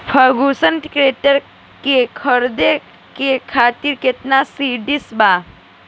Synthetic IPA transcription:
fʰaɡusənʈkɾeʈəɾ | kekʰəɾd̪e | kekʰat̪iɾket̪nasiːɖisbaː

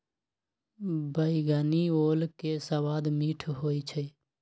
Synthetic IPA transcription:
bəiɡənioːlkesəwaːd̪miʈʰɦoːit͡ʃʰə

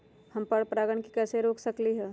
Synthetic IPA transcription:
hɐmpɐɽpɾaːɡəɳkikɛːseɾoːksɐkliɦɛː

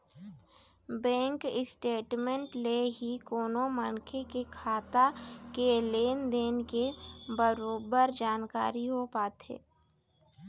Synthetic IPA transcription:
bɛ̃ːŋkɪsʈeːʈmẽɳʈleɦikoːnomənkʰekekʰaːt̪akeleːnd̪eːnkebəɾoːbəɾd͡ʒaːnkaːɾiɦopaːt̪ɦḛː

